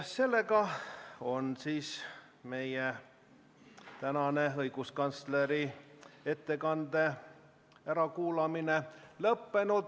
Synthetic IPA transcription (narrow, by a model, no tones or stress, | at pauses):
se̞lːe̞kɑo̞nsiːs | me̞je | t̪ænɑneɤjɡ̥uskɑnt̪sleɾie̞t̪ːe̞kɑnd̪e̞ | æɾɑkuːlɑminelɤpːe̞nud̪̥